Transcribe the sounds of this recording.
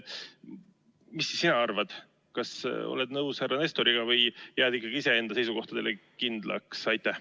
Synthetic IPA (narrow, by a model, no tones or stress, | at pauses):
misːisːinɑɑrvɑd̪̥ | kɑso̞̰led̪nɤwshærːɑne̞st̪o̞ɾiɡ̥ɑvɤjjæːd̪̥ikːˑɑɡ̥iise̞e̞nd̪ɑse̞jsuko̞ht̪ɑd̪̥e̞lekind̪̥lʔɑ̰ksɑjt̪ːˑæh